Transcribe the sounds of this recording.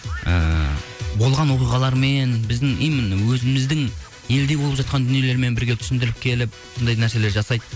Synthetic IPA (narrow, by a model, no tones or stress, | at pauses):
ə̰ | bolˠʁɑnwo̞qijʁɑlˠɑɾme̞nbɪzd̪ɪŋejmɪnwɵzɪmɪzd̪ɪŋ | je̞ld̪e̞bo̞lˠəpʒɑt̪̚qɑnd̪ʏnije̞leɾme̞nbɪɾɡʲe̞t̪ʰʏ̥sɪnd̪ɪɾɪp̚kʲʰe̞lɪp̚ | sond̪ɑj̪næɾse̞le̞ɾʒɑsɑjd̪ə